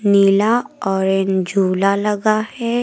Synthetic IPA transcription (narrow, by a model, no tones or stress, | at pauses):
niːlaɔːɾend͡ʒʱuːlalɐɡahɛː